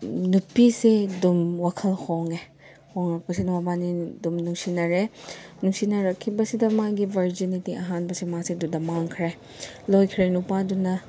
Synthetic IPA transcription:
nupːisedumwakʰɐlhʰoŋe | hoŋɾɐk̚pɐsiduwabanidumnuŋsinɐɾenuŋsinɐɾɐkʰːibɐsidɐmaɡibʱɐɾd͡ʒinitiʔɐɦanbɐsimasedudɐmaŋkʰɾe | lojkʰɾenupadunɐ

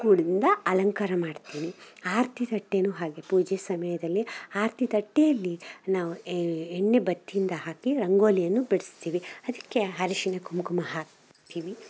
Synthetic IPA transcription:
kuːɽid̪ind̪ɐɐlɐŋkaɾɐmaːɖt̪iːniaːɾt̪ʰit̪ɐʈːenuːɦaːɡepuːd͡ʒesɐmɐjɐd̪ɐlːiaːɾt̪ʰit̪ɐʈːejɐlːinaːʋueɳːebɐt̪ːijind̪ɐɦaːkiɾɐŋɡo̞ːlijɐnːubiɽist̪iːʋiɐd̪ɐkːe̞ɦɐɾiʃinekumukumɐɦaːk | t̪iːʋi

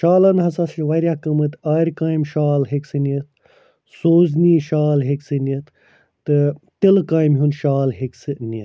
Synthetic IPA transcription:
ʃaːlɐnɦɐsɐsiʋɐɾʲjakɨmɨt̪aːɾʲkaːimʃaːlɦeksɨnit̪̚ | soːzniːʃaːlɦeksɨnit̪ʰ | t̪ɨt̪ilɨkaːjmɦunʃaːlɦeksɨnʲit̪̚

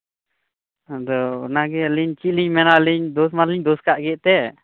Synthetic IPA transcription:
d̪ɔnaɡɛliɲt͡ʃiʔ̪̚liɲmɛnaliɲd̪ɔsmanliɲd̪ɔskaʔɡɛʔt̪ɛ

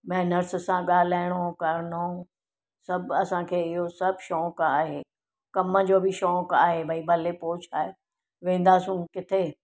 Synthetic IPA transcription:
mɛ̃ːnəɾssãɠaːlaːɪɽ̃oːkaɾno | sɐbʱɐsãkʰeːɪɦosɐbʱʃɔːkaːɦeː | kɐməd͡ʑoːbʱɪʃɔːkaːɦebʱɐibʱɐlepoːt͡ɕʰaːɦe | ʋẽːn̆d̪aːsũkɪt̪ʰe

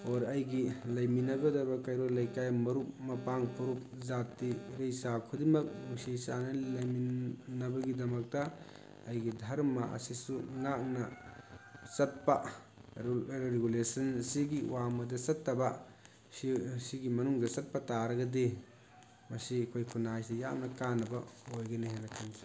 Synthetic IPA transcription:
ɔɾɐjɡilɐjminɐɡɐdɐbɐkajɾolɐjkajmɐɾup̚mɐpaŋpʰɐɾup̚zatːiɾejsakʰudimɐk̚musisanɐlɐjminːɐbɐɡidɐmɐk̚tɐː | jɡidʱaɾmɐʔɐ̰sisuŋak̚nɐ | sɐt̚pɐ | ɾeɡulesɐnsiɡiwamɐdɐsɐtːɐbɐ | siɡimɐnuŋdɐsɐt̚pɐtaɾɐɡɐdi | mɐsikʰojkʰunajseja̰mnɐkanɐbɐojɡɐniɦenɐkʰansi̥

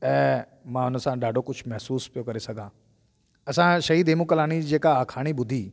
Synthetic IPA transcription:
ɛ̃ː | mãːʊnəsãɖaːɖʱokʊd͡ʑʱʰmɛɦsuːspijokɐɾesɐɡʱãː | ɐsãʃɐɦid̪eːmukəlaːɽ̃id͡ʑeːkaːkʰaːɽ̃ibʊd̪ʱiː

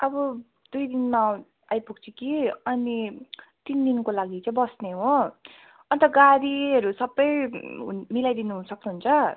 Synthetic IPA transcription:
ʌbʌ | d̪̥ujd̪inma | ajpuk̚t͡sʰikiʌnit̪ind̪inkolaɡit͡sãĩbʌsneɦo | ʌnt̪ʌɡaɾiɦʌɾusʌbːʌj̰ | milajd̪inuɦunsʌknuɦunt͡sʰʌ

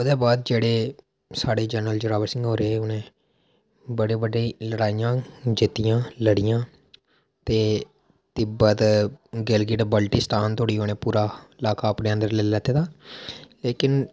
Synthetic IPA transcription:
ʊd̪eːbaːd̪̚d͡ʒeːɽeː | saːɽeːd͡ʒɛːnəld͡ʒəɾaːʋəɾsɪ̃ŋɡɦoːɾeːʊnẽː | bəɽeːbəɖeːləɽaːijãːd͡ʒɪt̪ːijãːləɽɪjãː | t̪eː | t̪ɪbət̪ɡɪlɡɪɖbəlʈisʈaːnt̪oːɽiːɦoːneːpuːɾaːɪlaːkaːəpneːə̃nd̪əɾlɛlɛːt̪eːd̪aːleːkɪn

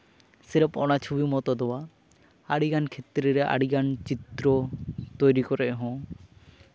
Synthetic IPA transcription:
sɛɾɔpɔnat͡ʃʰubimɔt̪ɔd̪ɔwa | aɽiɡankʰet̪ɾɛɾɛʔa̰ɽiɡant͡ʃit̪ɾɔt̪ojɾikɔɾɛʔɦɔ̃

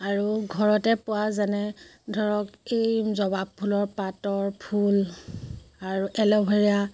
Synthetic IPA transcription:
aɹuɡʱɔɹɔtɛpʊwazanɛ | dʱɔɹɔkejzɔbab̚pʰːulɔɹpatɔɹpʰul | aɹuʔɛlɔbʱeɹija

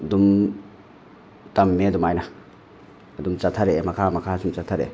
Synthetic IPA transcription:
dum | tɐmːeɐdumajnɐ | ɐdumt͡ʃatʰaɾemɐkʰamɐkʰasumt͡ʃat̪ʰːaɾḛ

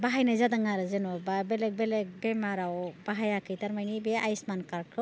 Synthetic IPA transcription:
baɦajnazadaŋaɾɯzenɔbabelek̚belek̚bemaɾawbaɦajakʰɯjtaɾmajnibeʔajsmankaɾkʰɯ

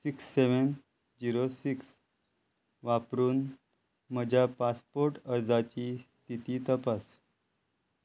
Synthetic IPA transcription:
siksːeʋən | d͡ʑiɾosiks | ʋapɾuːn | məd͡ʑʱjapaspoɾʈəɾd͡zat͡ɕiːst̪ʰit̪iːt̪əpas

